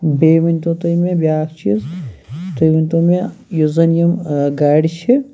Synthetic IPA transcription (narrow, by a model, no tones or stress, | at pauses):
beːʋinʲt̪õːt̪ɐjmẽbʲjaːkʰt͡ʃʰizt̪ɐjʋinʲt̪õːmẽjuzɐnjɐmɡaːɽit͡ʃʰi